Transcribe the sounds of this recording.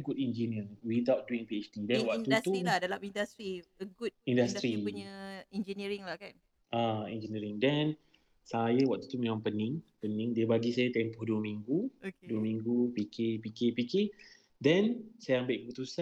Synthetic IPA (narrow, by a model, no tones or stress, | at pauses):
əɡut̪ind͡ʒiniəwidawt̪̚duiŋpiɛt͡ʃdidɛnwak̪udast̪uilahdalamindasɾiəɡut̚indast̪ɾiɲəind͡ʒəniɾiŋlakan | ʔaind͡ʒəniɾiŋdɛn | sajawak̚t̪ut̪umẽmãŋpənɪ̃ŋpənɪ̃ŋdiəbaɡisajat̪empɔhduəmiŋɡuduəmiŋɡupikɪpikepikɪ | dɛnsajaambaʔkəput̪usa